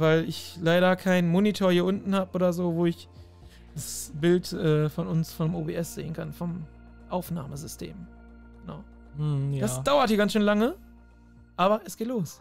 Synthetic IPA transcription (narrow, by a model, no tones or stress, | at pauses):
vaɪlɪçlaɪɾɐkʰaɪnmonitʰoːɐhiːɐʔʊntn̩haːbəʔoːdɐzoːvoːɪç | d̥asb̥ɪltʔɛːfɔnʊnsfɔnəmoːbeːʔɛsz̥ḛːənkʰanfɔm | ʔaʊfna̰ːməzʏstʰḛːm | ɡ̥əna̰ʊ | jd̥asd̥aʊɐthiɐɡansʃøːnlaŋə | ʔaːβɐʔɛsɡ̥eːtloːs